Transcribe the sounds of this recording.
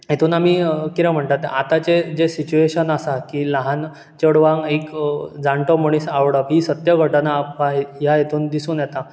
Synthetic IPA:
jet̪ʰuːnamiːkiɾɛ̃m̤əɳt̪at̪at̪at͡sed͡zesit͡ɕueɕənasakilaɦan | t͡ɕəɽʋãŋɡekd͡zaɳʈəmoɽ̃iːsaʋɽəʋɦisət̪jəɡʱəʈnaːpkaɦejajet̪ʰuːnd̪isuːnjɛt̪a

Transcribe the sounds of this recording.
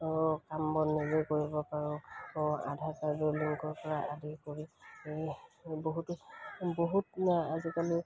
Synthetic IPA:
kambɔnːezejkoɹibɔpaɹɔ̃ɔa̰dʱaɹkaɹdɔliŋkɔɹpɔɹaʔadikoɹi | boɦutʊboɦutazikali

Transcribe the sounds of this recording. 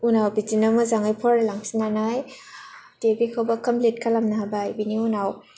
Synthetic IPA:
unawbizinamɯzaŋajpʰɔɾalaŋsinanaj | debikʰawbakamplit̚kʰalamnaɦabaajbiniunaw

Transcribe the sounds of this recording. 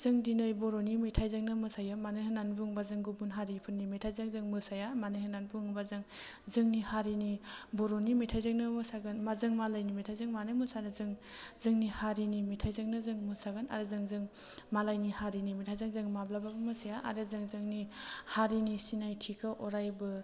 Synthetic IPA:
zɯŋdinɯjboɾonimitʰajzɯŋnɯmɯsajɯmanɯjɦɯnanbuŋbazɯŋɡubunɦaɾipʰɯnːimitʰajzɯŋzɯŋmɯsajamanɯjhɯnanbuŋbazɯŋ | zɯŋnihaɾiniboɾonimitʰajzɯŋnɯmɯsaɡɯnmazɯŋmalajnimitʰajzɯŋmanɯmɯsanɯzɯŋzɯŋnihaɾinimitʰajzɯŋnɯzɯŋmɯsaɡɯna̰ɾɯzɯŋzɯŋ | malajnihaɾinimitʰajzaŋzɯŋmablababɯmɯsajaʔa̰ɾɯzɯŋzɯŋnihaɾinisinajtʰikʰɯʔoɾajbɯ

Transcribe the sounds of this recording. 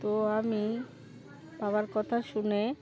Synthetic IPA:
t̪oami | babaɾkɔt̪ʰaʃune

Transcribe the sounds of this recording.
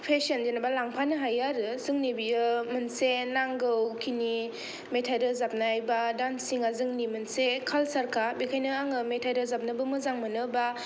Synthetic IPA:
pʰesənd͡ʒenabalaŋpʰanɯɦajaɾɯzɯŋnibiɯmɯnsenaŋɡɯwkʰini | metʰajdɯzap̚naajbadansiŋazɯŋnimɯnsekʰalsaɾkʰabikʰajnɯaŋɯmetʰajdɯzap̚nɯbɯmɯzaŋmɯnɯba

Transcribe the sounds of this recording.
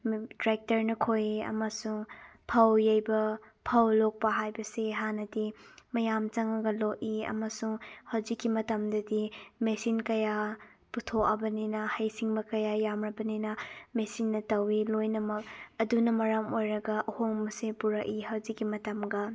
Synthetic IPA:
tɾek̚tɐɾnɐkʰojiɐ̰mɐsuŋpʰɐwjɐjbɐ | pʰɐwlok̚pɐɦajbɐseɦanɐdimɐjamt͡ʃɐŋɐɡɐlok̚iɐ̰mɐsuŋhɐwzikːimɐtɐmdɐdimesinkɐja | putʰoɐbɐninɐhɐjsiŋbɐkɐjajamɾɐbɐninɐmesinːɐtɐwilojnɐmɐk̚ɐdunɐmɐɾɐmojɾɐɡɐʔɐhoŋmɐsepuɾɐkiɦɐwzikːimɐtɐmɡɐ

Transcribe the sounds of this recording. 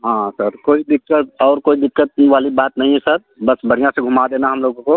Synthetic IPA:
ɦãːsɐɾkoːid̪ɪkːət̪ɔːɾkoːid̪ɪkːət̪̚ʋaːlibaːt̪nɐɦĩɦɛsɐɾ | bɐsbʱɐɽijãseɡʱʊmad̪eːnaɦɐmloːɡõko

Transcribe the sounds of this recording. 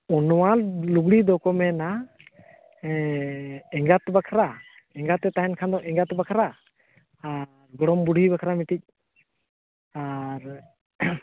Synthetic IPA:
ɔnɔwaluɡɽid̪ɔkɔmɛna | ɛŋɡat̪bakʰaɾa | ɛŋɡat̪ɛt̪aɦɛnkʰand̪ɔʔɛŋɡat̪bakʰaɾa | a | ɾɡɔɽɔmbuɽ̤ʱibakʰɾamiʈic̚ | aɾ

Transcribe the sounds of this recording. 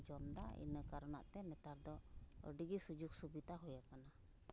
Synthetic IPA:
d͡ʒɔmd̪aḭnəkaɾɔna̰ʔt̪ɛmɛt̪aɾd̪ɔə̰ɖiɡisud͡ʒuk̚subid̪aɦujakana

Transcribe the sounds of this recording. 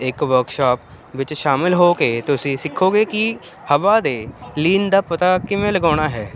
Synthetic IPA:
ɪkʋəɾkʃaːp | ʋɪt͡ʃʃaːmɪlɦoːkeːt̪ʊsĩːsɪkʰːoːɡeːkɪ | həʋaːd̪eːliːnd̪aːpət̪aːkɪmẽːləɡaːɽ̃aːɦɛː

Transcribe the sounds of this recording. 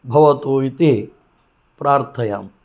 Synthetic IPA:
bʱɐʋɐt̪oːit̪i | pɾaːɾt̪ʰɐjaːm

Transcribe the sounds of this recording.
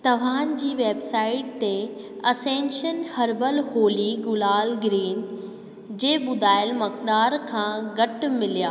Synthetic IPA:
t̪ɐʋ̤ãːn̆d͡ʑiːʋeːbsaːɪʈ̚t̪e | ɐsẽːnʃənhɐɾbəlhoːliɡʊlaːlɡɾiːn | d͡ʑeːɓʊd̪ʱaːɪlmɐkd̪aːɾkʰãːɡɐʈmɪlijaː

